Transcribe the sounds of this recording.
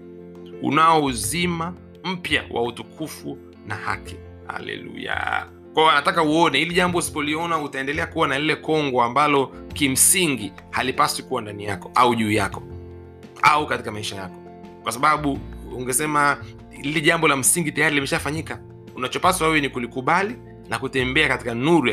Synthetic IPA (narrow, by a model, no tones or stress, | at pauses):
ṵnaɔuzima | m̩pja̰wʔa̰utukʰufu | naha̰ki | ha̰lɛ̰lṵja̰ | kwaɔanatakauɔnɛiliʄambɔusi̥pɔliɔnautaɛndɛlɛakuwanalilɛkɔŋɡɔambalɔkim̩siŋɡi | halipaswikuwandanijakɔʔauʄuːjakɔ | aukatikamaiʃajakɔ̥ | kwasaɓaɓuuŋɡɛsɛma | lilɛʄambɔlam̩siŋɡitajaɾilimɛʃafaɲika | unat͡ʃɔpasaɛvɔnikulikuɓali | nakutɛmbɛakatikanuɾu